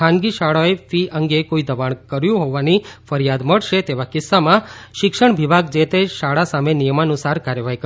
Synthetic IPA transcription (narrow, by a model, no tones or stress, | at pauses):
ãnɡiʃaɭoefiəŋɡekoid̪əʋaɳ̃kəɾjũɦoʋanifəɾijad̪məɭʃet̪eʋakɪsːamãʃɪkʃəɳʋibʱaɡd͡ʒet̪eʃaɭasamenijəmanusaɾkaɾjəʋaɦikə